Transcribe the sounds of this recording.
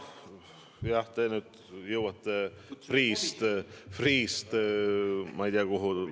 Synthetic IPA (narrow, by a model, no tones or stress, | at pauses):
jɑht̪enyːd̪̥ | jɤwɑt̪ːe | friːst̪friːst̪ | mɑijd̪iɑkoɦu